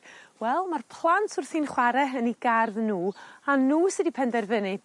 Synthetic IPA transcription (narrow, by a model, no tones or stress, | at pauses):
wɛlˠmarpʰlˠantʰʊrθinχwaɾɛəniɡarðnuːanuːsɨdipʰɛndɛrvɪnɨ